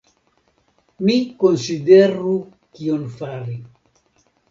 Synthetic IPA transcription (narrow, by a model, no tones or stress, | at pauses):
mikonsideɾu | kionfaɾi